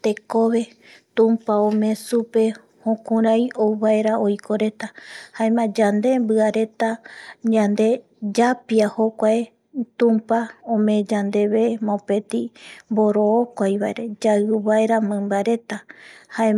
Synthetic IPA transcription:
t̪e̞koβe̞ | t̪ũmpaõmẽ̞supe̞ | hõkũɾajowβaeɾaojkʰo̞ɾe̞t̪ahaẽmãd͡ʒand̪e̞mbɨaɾe̞t̪aɲãnd̪e̞ | d͡ʒapiahokʷae | t̪ũmpaõmẽ̞d͡ʒand̪e̞βemõpe̞t̪imboɾoːkʷajβaeɾe̞d͡ʒaɨβaeɾamɨ̃mbaɾe̞t̪ahaẽ

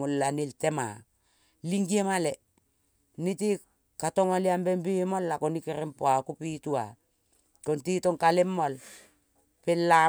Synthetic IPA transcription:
olːaniltema̰ | liŋɡiemale | niti | katoŋaliambembimolːakonikeɾempoakupitua | kontitoŋkalemːol | pelːa

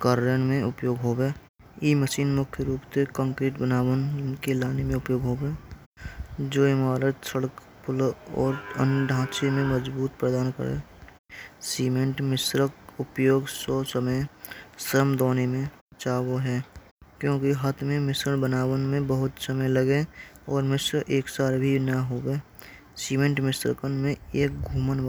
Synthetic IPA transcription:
kaɾɾənmẽʊpjoːɡɦoːbeː | iməʃiːnmʊkʰjəɾuːpt̪ekə̃ŋkɾiːʈbənaːwənkelaːnemẽʊpjoːɡɦoːɡeː | d͡ʒoːɪmaːɾət̪səɽək | pʊlɔ̰ːɾə̰nɖʱãːt͡ʃemẽməd͡ʒbuːt̪̚pɾəd̪aːnkə̰ɾḛː | siːmẽɳʈmɪsɾəkʊpjoːɡsosəmesəɾəmd̪oːnemẽ | t͡ʃaːwoɦɛː | kjõːkiɦat̪ʰmẽmɪsɾənbənaːwənmẽbəɦʊt̪səməjləɡe | ɔːɾmɪsɾʔeːksaːlbʱinəɦoːweː | siːmẽɳʈmɪsɾə̰kənmẽeːk̚ɡʱuːmən

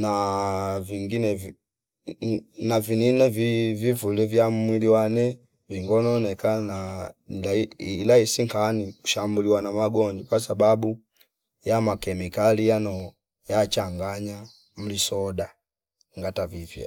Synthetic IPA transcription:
naviŋɡinɛv | navininɛvivivulɛvjammwiliwanɛ | viŋɡɔnɔnɛkanalalaisiŋkaniku̥ʃambuliwanamaɡɔɲd͡ʒɔkwasababu | jamakɛmikalijanɔ | jat͡ʃaŋɡaɲa | m̩lisɔda | ŋɡatavivjɛ̰

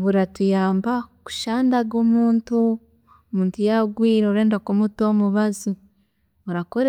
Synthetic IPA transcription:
βuɾatujaːmbaku̥ʃaːndaɡomuːntu | omuːntujaɡwiːɾeɾe̞ːndakumuto̞muβazu | oɾakoɾe

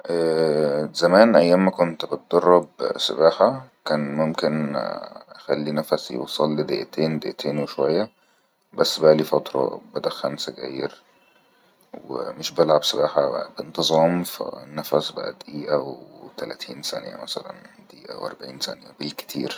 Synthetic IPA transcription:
ʔæːzæmæːnʔæjːæːmːækont̪bet̪̚d̪̥ɑrˤːɑbsḛbaːħakæːnmomken | ʔxælːinæfæsjḛwsˤɑlːid̪ḛʔæt̪ʰeːnd̪eʔæt̪ʰeːnweʃowæjːæ | bæsːbæʔlifɑt̪ɾˤɑ̰bæd̪æxænsæɡæ̰ːjeɾ | wḛmeʃbelʕabsebaːħabent̪ɨzˤɑːmfæ̰næfæsba̰ʔæ̰d̪ʔiːʔæwet̪ælæt̪ʰiːnsæ̰njæ̰mæsælæ̰nd̪ʔiːʔæ̰wʔæ̰ɾˤbaʕiːnsæ̰njæ̰belke̥t̪ʰḭːɾ

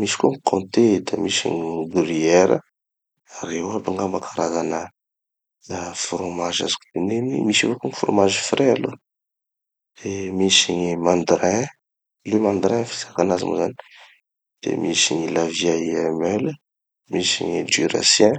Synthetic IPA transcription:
misi̥kuəŋikʰõnt̪ed̪amisḭɲbuɾiɛɾə̰ | aɾewabaŋɡamakʰaɾazanə | fɾomaʒa̰zi̥ku̥t̪inenḭmisivokuŋifro̰maʒifrealo | d̪̥emisiɲimãnd̪rɛ̃ | lumãnd̪ɾɛ̃fi̥z̥akanazḭmo̰zani̥ | d̪̥ḛmisiɲilavjaiɛmɛl | misḭɲid͡ʒyɾa̰sjɛ̃

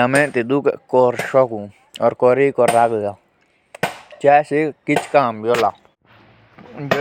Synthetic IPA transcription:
amẽt̪id̪ukeʔkoɾʃoku | oɾkoɾikoɾaɣɣa | t͡ʃaʃikit͡ʃkambjola

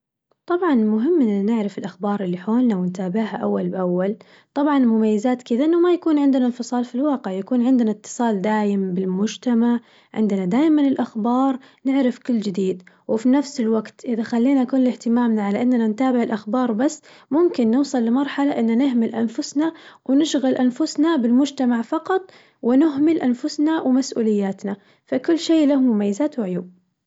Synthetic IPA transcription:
t̪ˤɑbʕɑnmʊɦɪmːʔɪnːnɪʕɾɪfɪlʔaxbɑːɾˤɪlːiħoːlnawɪnt̪aːbɪʕhaʔawːalbʔawːal | t̪ˤɑbʕɑnmʊmajːɪzaːt̪kɪd̪aʔɪnːamajakuːnʕɪnd̪nanfɨsˤɑːlfilwɑːqɪʕjakuːnʕɪnd̪nat̪ːɨ̥sˤɑːld̪aːjɪmbɪlmʊd͡ʒt̪amaʕ | ʕɪ̰nd̪ɪnad̪aːjmanɪlʔaxbɑːɾˤ | nɪʕɾɪfkɪlːd͡ʒɪd̪iːd̪ | wɪfinafsɪlwaɡt̪ʔɪðaxalːiːnaʔakuːnlɪht̪ɪmaːmnaʕalaʔɪnːanant̪aːbɪʕɪlʔaxbɑːɾˤbasː | mʊmkɪnːɪwsˤɨlːɪmɑɾˤħalaʔɪnːanɪɦmɪlʔanfʊsnawɪnɪʃɣalʔanfʊsnabɪlmʊd͡ʒt̪amaʕfɑqɑt̪ˤ | wɪnɪɦmɪlʔanfʊsnawɪmasʔṵːlɪjːaːt̪na | fakʊlːʃeːlahʊmːʊmajːɪzaːt̪wɪʕʊjuːb̚

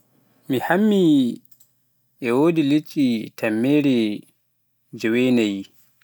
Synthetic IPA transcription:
mihamːi | ʔɛwoːdilet͡ʃʼːitamːeːɾɛ | d͡ʒɛwɛnaji

